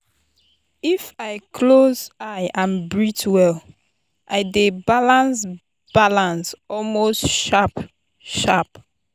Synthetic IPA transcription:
ifaɪkʰlozaɪãnbɹitʰwɛl | ʔaɪdebalãns | b̥alãnsɔlmostʃap | ʃap

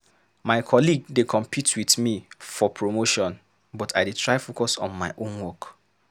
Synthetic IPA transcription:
maɪkʰɔliɡdekʰɔ̃mpʰitʰwiθmifɔpʰɹomoʃɔ̃n | bɔtʰaɪditʰɹaɪfokɔsɔ̰̃nmaɪʔõnwɔk

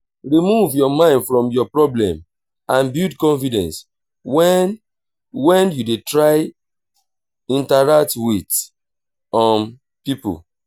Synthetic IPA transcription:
ɹimuvjɔmãɪ̃ndfɹɔ̃mjɔpɹɔblɛ̰̃m | ãnbudkɔ̃nfidɛ̃ns | wɛn | wɛ̃njudetɹaɪ | ĩntaɹak̚twit | ɔ̃m | pipṵl

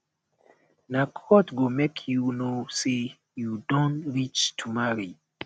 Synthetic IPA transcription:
nakʰɔtɡomekʰjunose | judõntɹit͡ʃtʰumaɹi

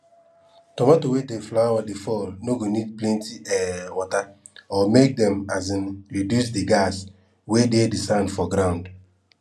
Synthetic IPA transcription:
tɔmɔtowedeflawadifɔlnoɡonid̚plɛ̃ntiɛwɔta | ɔmek̚dɛ̃mazĩnɾidjus̬diɡas | wededisãndfɔɡɾãʊ̃nd

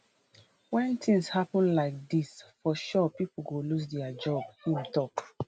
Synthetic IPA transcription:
wɛ̃ntĩŋshapə̃nlaɪk̚disfɔʃɔpipl̩ɡolus̬dɛad͡ʒɔbhĩmtɔp

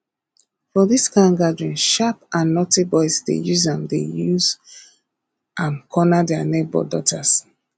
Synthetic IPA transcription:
fɔðiskãŋɡadɹĩnʃapãnːɔtibɔɪsdḛjuzɛ̃mdejuz | ʔãnkʰɔnadɛanɛt̚bɔ̰dɔ̰tas

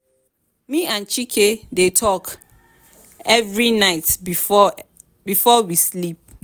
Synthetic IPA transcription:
mĩʔãnt͡ʃikʰedetʰɔk | ɛvɹinaɪt | bifɔwislip̚

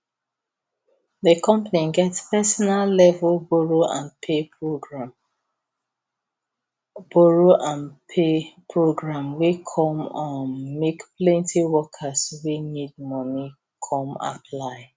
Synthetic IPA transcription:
ðəkʰɔ̃mpaniɡɛtspɛsɔnalːɛvlboɹoã̰npʰeɹoɡɹm | b̥oɹoʔãnpʰepʰɹoɡɹãmwikʰɔ̃mãmekplɛ̃ntʰiwɔkʰaswinid̚mɔni | kʰɔ̃ma̰pʰlaɪ

